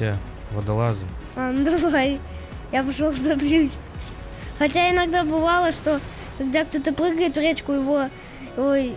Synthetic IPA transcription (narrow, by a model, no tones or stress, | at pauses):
a | vɐd̪ɐlˠazə | and̪ɐvaj | japɨʂolˠvd̪ɐbjʲusʲ | xɐt̬ʲaɪnɐɡd̪abɨvalˠəʂt̪o | kɐɡ̚d̪akt̪ot̪əpɾɨɡəjɪt̪vɾʲet͡ɕkʊjɪvo | oj